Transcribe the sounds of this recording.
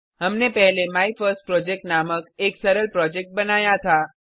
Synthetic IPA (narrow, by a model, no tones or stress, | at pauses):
ɦɐmnepɛɦlemaːifʰəɾsʈ̚pɾɔːd͡ʒek̚ʈnaːməkeːksɐɾəlpɾɔːd͡ʒɛk̚ʈ̚bɐnaːjat̪ʰaː